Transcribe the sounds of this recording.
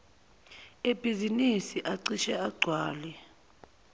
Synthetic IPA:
eb̥ʱizinisiʔaǀiʃɛaɡ͡ǀʱwaːlɛ

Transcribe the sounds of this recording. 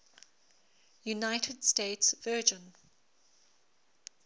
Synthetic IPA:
junaɪtʰədsteɪtsvɜːd͡ʒə̃n

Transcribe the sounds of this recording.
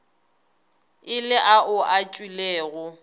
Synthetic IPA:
ɪlɪʔaʔʊʔat͡ʃʼileːɣʊ

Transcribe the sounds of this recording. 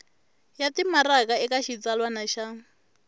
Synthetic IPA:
jatʼimarakʼaɛkʼaʃit͡sʼalwanaʃa

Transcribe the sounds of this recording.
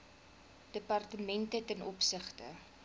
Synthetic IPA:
d̥əpɐrtəmɛntətɛnʔɔpsəχtə

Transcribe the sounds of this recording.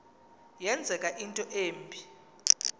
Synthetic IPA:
jɛnd͡zʱɛkʼaʔintʼɔʔeːmbʱi

